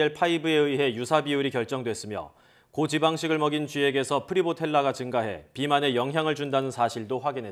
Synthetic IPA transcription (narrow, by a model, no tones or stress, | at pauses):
eɭpʰaibɯe̞ɯiɦe̞jusʰabiuɾikjʌɭt͡ɕ͈ʌŋdwe̞s͈ɯmjʌ̰ | kod͡ʑibaŋɕʰiɡɯɭmʌɡint͡ɕɥie̞ɡe̞sʰʌpʰɯɾibotʰe̞ɭːaɡat͡ɕɯŋɡaɦe̞̰pimane̞jʌŋɦjaŋɯɭd͡ʑundanɯnsʰaɕʰiɭdoɸwaɡinɦe